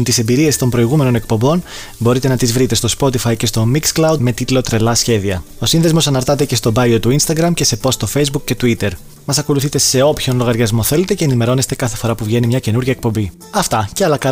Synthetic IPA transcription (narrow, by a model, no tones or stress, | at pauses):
nt̪ise̞mbiɾie̞st̪o̞mbɾo̞iɣume̞no̞ne̞k̚po̞mbo̞n | bo̞ɾit̪e̞nɐt̪izvɾit̪e̞st̪o̞spo̞t̪ifɐjcest̪o̞miksklɐwd̪me̞t̪it̪lo̞t̪ɾe̞lɐsçe̞ðiɐo̞sinðe̞zmo̞sɐnɐɾt̪ɐt̪e̞ce̞st̪o̞bɐjot̪uinst̪ɐɡɾɐmce̞se̞po̞st̪o̞fe̞jzbukce̞t̪uit̪e̞ɾ | mɐsɐko̞luθit̪e̞se̞o̞pço̞nlo̞ɣɐɾʝɐzmo̞θe̞le̞t̪e̞ce̞ːnime̞ɾo̞nest̪e̞kɐθe̞fo̞ɾɐpuvʝe̞nimɲɐce̞nuɾʝɐek̚po̞mbi | ɐft̪ɐceɐlɐkɐ